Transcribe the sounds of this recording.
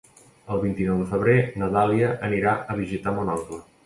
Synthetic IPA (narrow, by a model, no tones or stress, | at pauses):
əlˠβint̪inɔwðəfəβ̞ɾenəðaliəʔəniɾaəβiʒit̪amonɔklə